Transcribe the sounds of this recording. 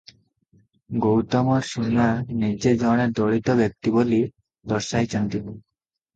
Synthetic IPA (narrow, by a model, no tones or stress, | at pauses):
ɡowt̪ɔmoɾʃunanid͡ʑed͡ʑɔɽeɾd̪ɔɭit̪obʱjek̚t̪iboli | d̪ɔɾʃajt͡ɕɔnt̪in